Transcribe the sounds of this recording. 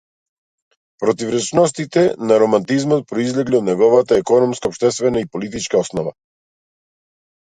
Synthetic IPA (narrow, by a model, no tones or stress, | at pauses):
pɾɔt̪ivɾɛt͡ʃnɔst̪it̪ɛnaɾɔmant̪izmɔt̪̚pɾɔizlɛɡliɔd̪nɛɡɔvat̪aɛkɔnɔmskaɔpʃt̪ɛst̪vɛnaipɔlit̪it͡ʃkaɔsnɔva